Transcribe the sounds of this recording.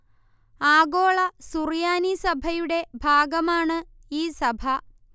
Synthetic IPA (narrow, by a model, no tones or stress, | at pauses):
aːɡoːɭɐsurjaːnisɐbʱɐjuɽe̞bʱaːɡɐmaːɳɨ | iːsɐbʱɐ